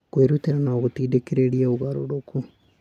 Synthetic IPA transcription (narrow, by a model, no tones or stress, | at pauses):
koeɾut̪iɾanaɣot̪iːdekiɾeɾiaoɣaɾo̰ɾokʰu